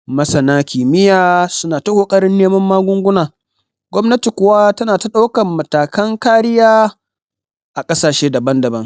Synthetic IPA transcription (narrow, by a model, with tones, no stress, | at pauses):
mɐ˦sɐ˨naː˦kʲiː˨mɪ˦jaː˨sʊ˦naː˨tɐ˦hoː˨kʼɐ˦ɾɪ˦nːeː˦mɐ˦mːaː˦ɡʷʊ˦ŋɡʷʊ˦naː˨ | ɡʷɔ˦mnɐ˦ti˨kʷʊ˨wa˦tɐ˦naː˨ta˦ɗa˦wkɐ˨mːɐ˨taː˨kɐ˦ŋkaː˦ɾɪ˦jaː˦ | ʔa˨kʼɐ˦saː˨ʃeː˦dɐ˨bɐ˦ndɐ˨bɐ˦ŋ